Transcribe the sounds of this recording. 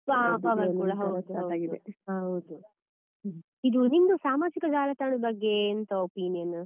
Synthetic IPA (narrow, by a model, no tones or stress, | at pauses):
baːpɐʋɐɾkuːɽɐɦɐwd̪uɐwaːɡid̪eɦɐwd̪u | id̪unind̪usaːmaːt͡ʃikɐd͡ʒaːlɐt̪ɐɳubɐɡːeːnt̪ɐopiːnijɐn